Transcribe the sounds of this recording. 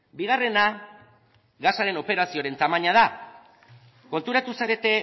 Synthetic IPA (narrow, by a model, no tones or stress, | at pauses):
biɣ̞are̞na | ɣasaɾe̞no̞pe̞ɾasioɾe̞nt̪amaɲað̞a | ko̞nt̪uɾat̪usaɾe̞t̪e̞